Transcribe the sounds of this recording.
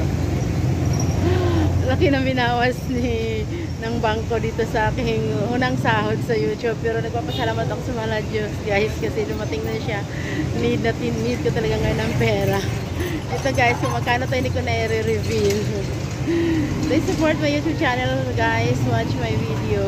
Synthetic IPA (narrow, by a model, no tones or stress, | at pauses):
lɐkɪnɐŋbɪnaːwɐsnɪ | nɐŋbaŋko̞d̪iːt̪osɐʔaːkɪŋʔuːnɐŋsaːhod̪̚sɐjuːt̪jub̚pɛːɾonɐɡ̚paːpɐsɐlaːmɐt̪ɐkosɐmɐɐlad͡ʒosɡaːjskɐsɛd̪ʊmɐt̪ɪŋnɐʃa | nid̪̚nɐt̪ɪnmid̪̚kot̪ɐlɐɡaŋːɐjonːɐŋpɛːɾɐ | ʔɛt̪oɡajɪskomɐɡ̚kaːnot̪ɐjnɪkonɐiɾɛɾɪvil | d̪ɐjsʊpoɹt̪̚mɐjuːt̪ub̚t͡ʃaːnɛlɡajswat͡ʃmajvid̪ɛo